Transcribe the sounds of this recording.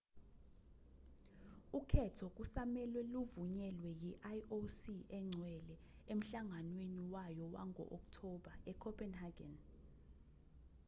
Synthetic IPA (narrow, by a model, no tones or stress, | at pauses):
ukʰɛtʰɔk̬ʼusamɛlwɛluvuɲɛlwɛjiʔajʔosiɛŋ͡ǀʱwɛlɛ | em̩ɬaŋanweniwajɔwa̰ŋʱɔ̰ʔoktʰɔɓaɛkʰɔpʰʼɛnhaɡɛ̰n